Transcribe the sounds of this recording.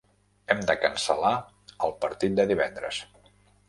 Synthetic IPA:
ɛmd̪əkənsəla | əlˠpəɾt̪it̪̚d̪əðiβɛnd̪ɾə̰s

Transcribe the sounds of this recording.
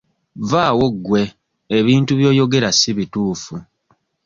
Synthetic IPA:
vaːwoɡwe̞ː | βiːntuβjo̞ːjo̞ɡe̞ɾasiβituːfu

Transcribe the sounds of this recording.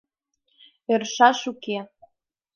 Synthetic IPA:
erʃɑʃuke

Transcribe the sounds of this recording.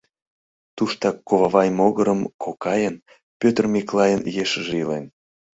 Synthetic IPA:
t̪uʃt̪ɑkːoβɑβɑjmoɣəɾəmkʰokɑjən | pʲøt̪ərmʲiklˠɑjənjeʃəʒilen

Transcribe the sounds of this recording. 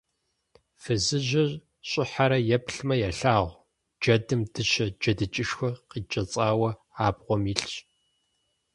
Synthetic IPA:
fɨzɨʑɐʑ | ɕʼɪħaɾɐjɛpɬmɐjɛɬaːʁʷ | d͡ʒɐdɨmd̥ɨʃɐd͡ʒɐdɨt͡ʃʼɪʃxʷɔqiːt͡ʃʼɐt͡sʼaːwɐ | aːbʁʷɔmiːɬɕ

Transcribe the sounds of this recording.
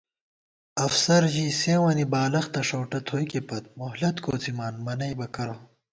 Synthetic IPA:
ɐfsɐɾʑiseːwɐnibaːlɐxt̪ɐʂoːʈɐt̪ʰoːjkepɐt̪̚moɦlɐt̪kʰoːt͡simaːnmɐnɐjbɐkɐɾo

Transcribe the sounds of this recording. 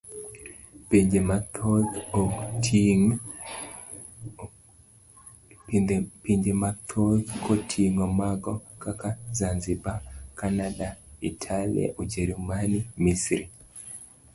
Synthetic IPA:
piɲd͡ʒɛmatɔkɔtiŋ | piɲd͡ʒɛmat̪ʰɔkkʰɔtʰiŋɔmaɡɔkakazanzibakanaɗaitʰalḭa̰ʔud͡ʒɛɾimanimisɾi

